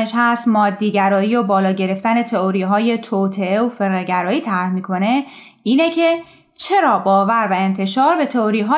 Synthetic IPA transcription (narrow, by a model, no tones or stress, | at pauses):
eʃhæst̪mɒːd̪ːiːɟæɾɒːiːjobɒːlɒːɟe̞ɾe̞ft̪æne̞t̪ʰe̞oɾiːɦɒːje̞t̪ʰoːt̪ʰe̞eofe̞ɾɣeɟæɾɒːiːt̪ʰæɾhmiːkʰo̞ne̞ | iːnecʰe̞ | t͡ʃʰe̞ɾɒːbɒːvæɾvæent̪ʰe̞ʃɒːɾbe̞t̪ʰeoɾiɦɒː